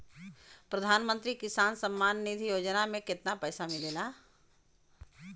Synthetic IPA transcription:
pɾɐd̪ʱaːnmə̃nt̪ɾikɪsaːnsɐ̃mːaːnːid̪ʱijoːd͡ʒnamẽkɪt̪napɛːsamɪleːlaː

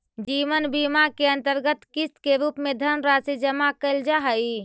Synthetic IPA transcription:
d͡ʒiʋənbimakeənt̪əɾɡət̪kist̪keɾupmed̪ʱəɾmɾasid͡ʒəmakəɪld͡ʒaɦəj

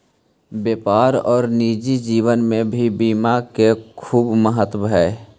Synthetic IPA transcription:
bjeːpaːɾɔːɾniːd͡ʒid͡ʒiːʋənmẽbʱibiːmakekʰuːbməɦət̪bʱɛ

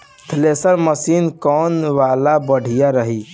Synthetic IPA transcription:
t̪ʰlesəɾməsinkɔnʋalabəɽ̤ijaɾəɦi

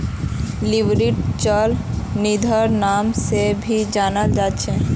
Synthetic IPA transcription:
libɾiʈt͡ɕɔlnid̪ʱɔɾnamsebʱid͡ʑanad͡ʒatːɕʰe

